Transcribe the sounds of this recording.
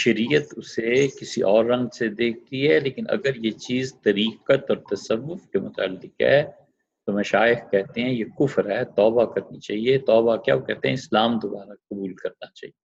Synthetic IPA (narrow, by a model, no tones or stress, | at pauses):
ʃɐɾiːjət̪ʊsekɪsiʔɔːɾːɐ̃ŋɡsed̪eːk̚ʰt̪iɦɛleːkɪnʔɐ̰ɡəɾjet͡ʃiːzt̪ɐɾiːqət̪ɔːɾt̪ɐsɐʋːʊfkemʊt̪a̰ːlːɪqɦɛ̰ː | t̪omɐʃaːɪxkɛɦt̪eɦɛ̃jekʊfɾɦɛːt̪ɔːbakɐɾnit͡ʃa̰ːɦiet̪ɔːbakja̰ːʋokɛɦt̪eɦɛ̃ɪslaːmd̪obaːɾaqɐbuːlkɐɾnat͡ʃa̰ːɦie